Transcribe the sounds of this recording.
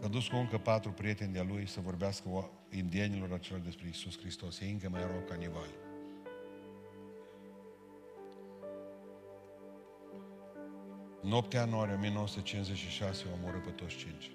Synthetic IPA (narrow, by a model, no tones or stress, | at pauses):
ad̪uskuɨŋkəpat̪ɾupɾije̞t̪e̞nd̪ealujsəvo̞rbeaskə | ind̪ienilo̞ɾat͡ʃe̞lord̪e̞spɾe̞isuskɾist̪o̞sjeɨŋkəmajɾowkːanivalʲ | ɨnop̚t̪ejanuaɾʲijeo̞mijenowəsu̥t̪et͡ʃinʃzet͡ʃʃiʃaseomuɾɨpet̪osʲt͡ʃint͡ʃ